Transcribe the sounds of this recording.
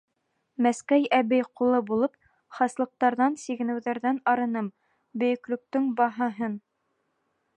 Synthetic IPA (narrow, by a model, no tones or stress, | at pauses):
mæskæjæβɘjqulˠɤbulˠɤp | χɑslˠɤ̆q̚t̪ɑɾðɑnsiɡɘ̆nɘ̆wðæɾðænɑɾɤ̆nɤm | bɵ̆jɵ̆klɵ̆k̚t̪ɵŋbɑɦɑɦɤn